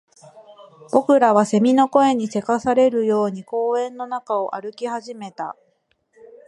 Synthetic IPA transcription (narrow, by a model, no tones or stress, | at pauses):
b̥o̞kɯ̟ɾaβ̞ase̞mʲino̞ko̞e̞ɲ̟ise̞kasaɾe̞ɾɯ̟jo̞ːɲ̟iko̞ːẽ̞nːo̞nakao̞ʔaɾɯ̟kʲihaʑime̞t̪a̰